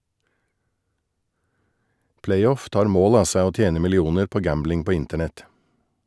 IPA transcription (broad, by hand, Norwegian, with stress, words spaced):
ˈplæɪˌɔf ˈtɑːɾ ˈmoːl ˈɑː ˈsæɪ ˈoː ˈtjeːnə mɪlɪˈuːnəɾ ˈpoː ˈɡæmblɪŋ ˈpoː ˈɪntəɳɛt